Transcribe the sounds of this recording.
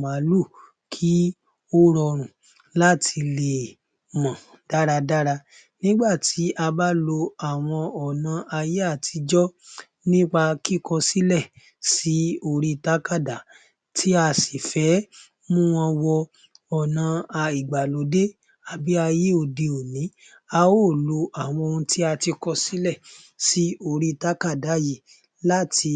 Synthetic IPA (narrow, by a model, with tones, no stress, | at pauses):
ma˨˦lu˦˨ | kʰi˦ | o˦ɾɔ˧˨ɾ̃ũ˨ | la˦tʰi˧le˨ | mã˨ | d̥a˦ɾa˧da˦ɾa˧ | nĩ˦ɡ͡ba˦˨tʰi˨˦ʔa˧ba˦lo˧a˨w̃ɔ̃˧ɔ˨nã˧ʔa˧je˦a˦˨tʰi˧d͡ʒɔ˦ | nĩ˦k͡pa˧ki˦kɔ˧si˦lɛ˦˨ | si˨˦o˧ɾi˧˨ta˨˦ka˦˨da˨ | tʰi˦a˧si˨fɛ˨˦ | mũ˦w̃ɔ̃˧wɔ˧ | ɔ˨nã˧a˧i˨ɡ͡ba˨lo˨˦de˦ | a˧bi˦a˧je˦o˨de˧o˨nĩ˨˦ | a˧o˦˨lo˧a˨w̃ɔ̃˧o˧ũ˧ti˦a˧ti˧kɔ˧si˦lɛ˦˨ | si˨˦o˧˨ɾi˦˨ta˦ka˦˨da˨˦ji˦˨ | la˦ti˧